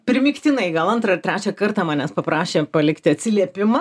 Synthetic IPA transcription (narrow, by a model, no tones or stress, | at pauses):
pʲɾʲɪmʲiːkt̪ʲɪnɐɪɡɐlˠɐnt̪ɾɐɪrt̪ɾʲæːt͡ʃʲɛkɐrt̪ɑːmɑːnʲɛspɐpɾɑːʃʲeːpɐlʲɪkt̪ʲɪɐt̪ʲsʲɪlʲiɛpʲɪmɐ